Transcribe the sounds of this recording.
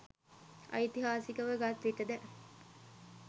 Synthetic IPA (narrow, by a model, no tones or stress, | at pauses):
ɐ̰it̪iɦaːsikəʋəɡat̪ːiʈəd̪ɛ